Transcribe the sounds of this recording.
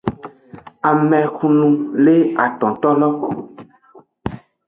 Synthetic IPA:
a˨mɛ̃˨xũ˨nũ˨le˦a˨t̪ɔ̃˨t̪ɔ˦lɔ˦

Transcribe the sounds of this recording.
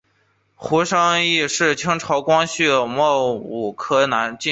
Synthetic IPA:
xu˧˥ʂɑ˥ŋi˥˧ʂɻ̩˥˩t͡ɕʰi˥ŋʈ͡ʂʰɑ˧˥ʊkwɑ˥ŋɕy˥˩mwɔ˥˩u˨˩kʰɤ˥na˧˥nt͡ɕi˥˧

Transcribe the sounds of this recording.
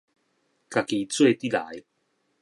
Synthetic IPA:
ka˨˩ki˨˦t͡swe˥˧t̪i˦la̰˨˦j

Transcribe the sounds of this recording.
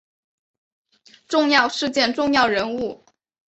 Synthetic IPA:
ʈ͡ʂʊ˥˧ŋjɑ˥˧ʊʂɻ̩˥˧t͡ɕjɛ˥˧nʈ͡ʂʊ˥˧ŋjɑ˥˩ʊɻə˧˥nu˥˩

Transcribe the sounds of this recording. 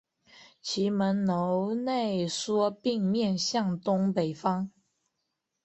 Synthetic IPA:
t͡ɕʰi˧˥mə˧˥nno˧˦ʊne˥˩ɪswɔ˥pi˥˧ŋmjɛ˥˨nɕjɑ˥˨˩ŋt̪ʊ˥ŋpe˨˩ɪfɑ˥ŋ

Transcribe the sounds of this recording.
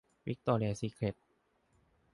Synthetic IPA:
wi˦˥k̚t̪ɔː˧lɛː˧siː˧kʰle˨˩t̚

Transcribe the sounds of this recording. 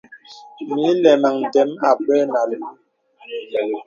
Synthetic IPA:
mi˨˦lɛ˨ma˨ŋn˨dɛ˨˦ma˨pɛ˦na˨l

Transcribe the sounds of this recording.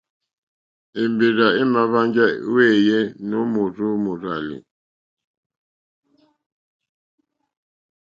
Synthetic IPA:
e˨mbe˨ɾa˨e˦ma˨βa˦nd͡ʒa˦we˦˨jɛ˦no˦mu˨ɾu˦mu˨ɾa˨lḭ˨

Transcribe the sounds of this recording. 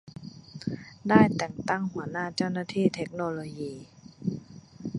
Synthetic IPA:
daː˥˩jt̪ɛ˨˩ŋt̪a˥˩ŋhu˩˦ɐnaː˥˩t͡ɕa˥˩wnaː˥˩t̪ʰiː˥˩t̪ʰe˦˥k̚noː˧loː˧jiː˧

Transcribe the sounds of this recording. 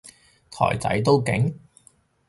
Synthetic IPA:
t̪ʰɔ̰ː˨˩jt͡sɐ̰˨˥jt̪o˥wkɪ˨˥ŋ

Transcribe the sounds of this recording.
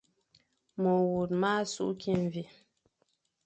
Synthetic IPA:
mə˨wu˨t̚ma˦sṵ˦ʔkʰi˦ɱ˨vi˨

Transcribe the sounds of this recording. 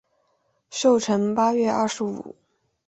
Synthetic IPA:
ɕjo˥˩ʊʈ͡ʂʰə˧˥ŋpa˥ɥɛ˥˧ʔɐ˥˩ʂɻ̩˧˥ṵ˨˩˦

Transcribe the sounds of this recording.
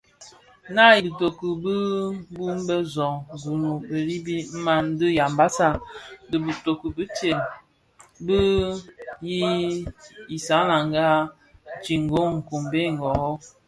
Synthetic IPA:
na˦i˨bə˨to˨kə˨bə˦bu˦m˦bə˦zɔ˨ŋ˨ɡu˨nu˨bə˨li˦bi˦m̩˦ma˦n˦də˦ja˨mba˦sa˦də˨bə˨to˨kə˨bə˦te˨n | bə˦ | ji˦ | i˨sa˨˦la˨ŋɡa˦ | t͡ʃi˨ŋ˨ɡo˦ŋ̩˨ku˨mbe˦˨ŋ˨ɡɔ˨ɣɔ˦

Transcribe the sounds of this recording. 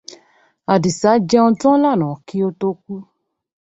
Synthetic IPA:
a˨di˨sa˨˦d͡ʒɛ˧õ˧tɔ̃˦la˦˨nɔ̃˨ki˦o˧to˧k̚u˦

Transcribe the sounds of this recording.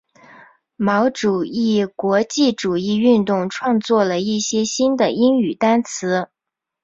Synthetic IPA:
mɑ˧˥ʊʈ͡ʂu˨˩i˥˩kwɔ˧˥t͡ɕi˥˩ʈ͡ʂu˨˩i˥˧y˥˧nt̪ʊ˥˧ŋʈ͡ʂʰwɑ˥˧ŋt͡swɔ˥˩lə˩i˥˩ɕjɛ˥ɕi˥nd̪ə˨i˥ŋy˨˩t̪a˥nt͡sʰɹ̩˧˥

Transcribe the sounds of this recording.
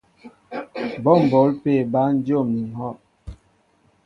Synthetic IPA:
bɔ˦˨m̩˨bo˨˦lpe˦˨ba˦n̩˦d͡ʒjo˦˨mni˨ŋ˨hɔ˦˨ʔ

